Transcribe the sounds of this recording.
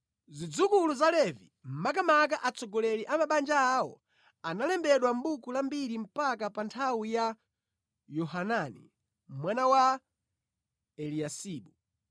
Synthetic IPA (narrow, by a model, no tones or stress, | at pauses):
zid͡zukuluzalɛvi | m̩mak̬amak̬aʔat͡sɔɡɔlɛɾiʔamaɓand͡ʒaːɔ̰ | analɛmbɛɗwam̩ɓukulambiɾim̩pakapantʰawija | jɔhananḭ | mwanawa | ɛlijasiːɓu